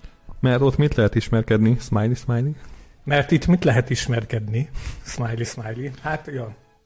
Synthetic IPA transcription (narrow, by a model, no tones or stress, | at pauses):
mɛrt̪ot̪mit̪lɛɦɛt̪iʃmɛrkɛd̪nismaːjlismaːjli | mɛrt̪it̪ːmit̪lɛɦɛt̪iʃmɛrkɛd̪nismajlismajlihat̪jo